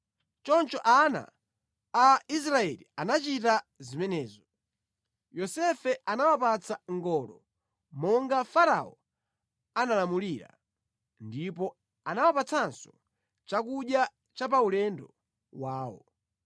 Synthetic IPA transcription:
t͡ʃɔnt͡ʃɔʔana̰ː | is̬ɾaɛlḭanat͡ʃitazimɛnɛːzɔ | jɔsɛfɛanawapat͡sʰaŋɡɔlɔ | mɔŋɡafaɾa̰ɔ | analamuliɾa̰ | ndip̬ɔ | anawapat͡sʰansɔ | t͡ʃakuɗja | t͡ʃap̬aulɛndɔ | waːwɔ̰

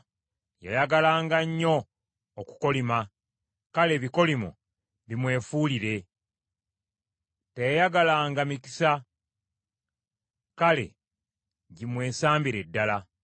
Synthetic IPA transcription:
ja̰jaɡalaːŋɡaɲːo̞ː | ku̥ko̞lima | kale̞βiko̞limo̰ | βimwe̞ːfuːliɾe̞ | tejajaɡalaːŋɡamiki̥sa | kale̞̰ | ɟimwe̞ːsaːmbiɾe̞dːala

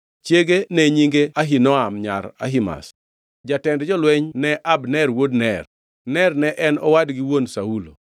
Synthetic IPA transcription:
t͡ʃjeɡenɛɲiŋɡeaɦinɔamɲa̰ɾa̰ɦima̰s | d͡ʒatɛndd͡ʒɔlwɛɲnɛʔabnɛrwodnɛr | nɛrnɛʔɛnɔwadɡiwonsaulo̰

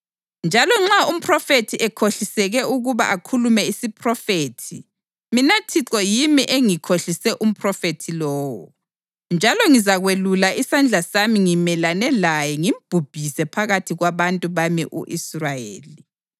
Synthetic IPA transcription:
nd͡ʒʱalɔŋ͡ǁaum̩pʰʼrɔfetʰiʔɛkʰoɬisɛɣɛuɣuβa̰ʔakʰulumɛisipʰʼrɔfeːtʰi | minatʰiǁɔjimiʔeŋikʰoɬisɛʔum̩pʰʼrɔfetʰilɔːwɔ̰ | nd͡ʒʱalɔŋizaɣwelulaʔisand͡ɮʱasamiŋimɛlanɛlajɛŋim̩b̥ʱub̥ʱisɛpʰaɣatʰiɣwaβantʼuβamḭʔṵʔisrajḛːli

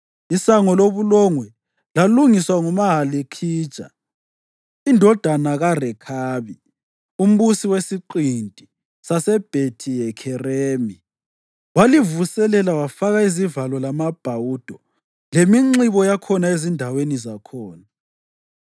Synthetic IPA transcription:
isaŋɔloβulɔŋwɛ | laluŋiswaŋumaɦalikʰi̥ːt͡ʃʼa̰ | indʱɔd̥ʱanaɣarɛkʰaːβi | um̩βusiwesiǃintʼi | sasɛb̥ʱetʰijɛkʰɛreːmi | walivusɛlɛlawafaɣaizivalɔlamab̥ʱawud̥ʱɔ | lemiŋ͡ǁiβɔjakʰɔnaezindʱawenizakʰɔːna

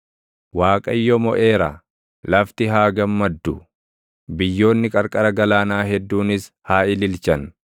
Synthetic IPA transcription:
waːkʼɐjːɔmɔ̰ʔe̞ːɾɐ̰ | lɐft̪ɪɦaːɡɐmːɐd̪ːʊ | bɪjːo̞ːnːɪkʼɐɾkʼɐɾɐɡɐlaːnaːɦɛd̪ːuːnɪs | haːɪlɪlt͡ʃɐn

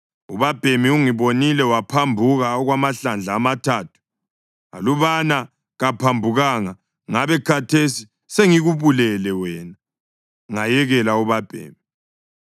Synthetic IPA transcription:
ṵβab̥ʱemiuŋiβonilɛwapʰambʱuɣaɔɣwamaɬand͡ɮʱaːmatʰaːtʰu̥ | a̰luβana | ɣapʰambʱuɣaŋa | ŋaβɛkʰatʰesi | seŋiɣuβulɛlɛwɛːna | ŋajɛɣɛlauβab̥ʱḛːmi

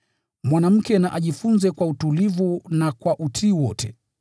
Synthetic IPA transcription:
mwanam̩kɛnaʔaʄifunzɛkwautulivunakwaʔutʰiːwɔtɛ

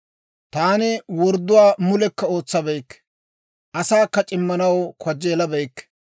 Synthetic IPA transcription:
t̪aːnɪwɔɾd̪ːʊwaːmʊlɛkːɐo̞ːt͡sːɐbɛjkː | ʔɐsaːkːɐt͡ʃʼɪmːɐnɐwkʰɔd͡ʒːeːlɐbɛjkː

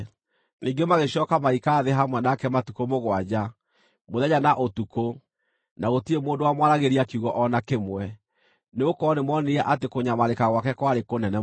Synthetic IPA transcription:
niːɡemaɣeɕɔkamaikaːðeɦamwɛnakɛmatukomoɣwad͡ʑa | moðɛɲanaʔotuko | naɣotiemoːndowamwaɾaɣeɾiakuɣɔʔɔnakemwɛ | neokɔnemɔneɛʔatekoɲamaɾekaɣwakɛkwaɾekonɛnɛ

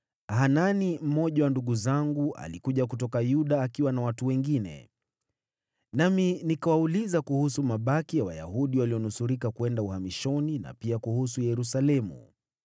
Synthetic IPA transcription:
hananim̩mɔʄawanduɠuzaŋɡuʔa̰likuʄak̬utɔkajuɗaːkiwanawatuwɛŋɡinɛ̰ | naminikawaulizakuhusumaɓakijawaja̰huɗiwaliɔnusuɾikakuɛndauhamiʃɔnina̰piakuhusujɛɾusalɛmṵ

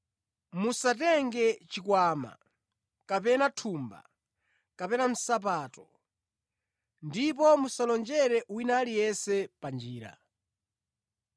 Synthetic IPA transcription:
musatɛŋɡɛt͡ʃikwaːma̰ | kapɛnatʰumba̰ | kapɛnam̩sap̬aːtɔ | ndip̬ɔmusalɔnd͡ʒɛɾɛʔwinalijɛsɛpand͡ʒiːɾa̰

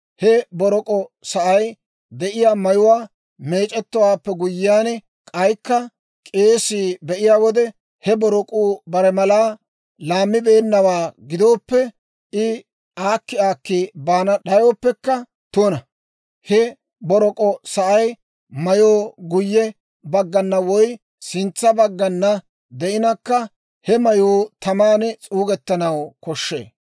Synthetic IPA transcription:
hɛbɔɾɔkʼɔsɐʔɐj | d̪ɛʔɪjaːmɐjʊwaː | me̞ːt͡ʃʼɛt̪ːɔwaːpːɛɡʊjːɪjaːnɛ | kʼɐjkːɐ | kʼe̞ːsiːbɛʔɪjaːwɔd̪ɛ | hɛbɔɾɔkʼuːbɐɾɛmɐlaː | laːmːɪbe̞ːnːɐwaːɡɪd̪o̞ːpːɛ | ɪ | aːkːɪaːkːibaːnɐɗɐjoːpːɛkːɐ | t̪unɐ | hɛ | bɔɾɔkʼɔsɐʔɐj | mɐjoːɡʊjːɛ | bɐɡːɐnːɐwɔj | sɪnt͡sːɐbɐɡːɐnːɐ | d̪ɛʔɪnɐkːɐ | hɛmɐjuːt̪ɐmaːnɛt͡sʼuːɡɛt̪ːɐnɐwkɔʃːḛː

